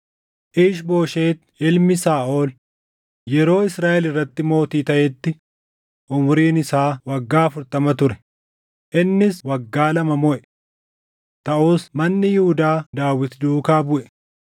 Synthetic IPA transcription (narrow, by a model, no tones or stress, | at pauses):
ʔiːʃbo̞ːʃe̞ːt̪ | ɪlmɪsaːʔo̞ːl | jɛɾo̞ːɪsɾaːʔɛlɪrːɐt̪ːɪmo̞ːt̪iːt̪ɐʔɛt̪ːɪ | ʔʊmʊɾiːnɪsaːwɐɡːaːɐfʊɾt̪ɐmɐt̪ʊɾɛ̥ | ʔɪnːɪswɐɡːaːlɐmɐmɔʔɛ̥ | t̪ɐʔuːsmɐnːɪjʊhʊd̪aːd̪aːwɪt̪d̪uːkaːbʊʔɛ̥